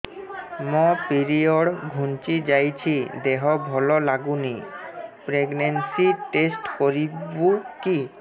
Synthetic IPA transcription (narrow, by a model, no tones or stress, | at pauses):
mɔpiɾioɽɡʱunt͡ɕid͡ʑajt͡ɕʰid̪eɦɔbʱɔlolaɡunipɾeɡnensiʈesʈkoɾibuki